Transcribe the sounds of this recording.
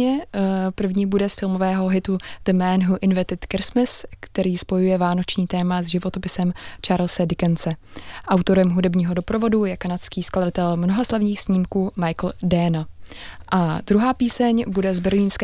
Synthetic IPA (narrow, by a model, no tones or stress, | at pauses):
ɛpr̩vɲiːbudɛsfɪlmovɛːɦo̞ɦɪt̪ud̥̪əmɛnɦuʔɪnvɛt̪ɪt̪kɪɾsmɪskt̪ɛɾiːspo̞jujɛvaːno̞t͡ʃɲiːt̪ɛːmazʒɪvo̞t̪opɪsɛmt͡ʃaːɾlsɛdɪkɛnt͡sɛ | ʔawt̪o̞ɾɛmɦudɛbɲiːɦo̞do̞pɾovo̞dujɛkanat̪skiːskladat̪ɛlmnoɦaslavɲiːxsɲiːmkuːmajkl̩dɛnaʔad̪ɾuɦaːpiːsɛɲbudɛzbɛɾliːnskɛ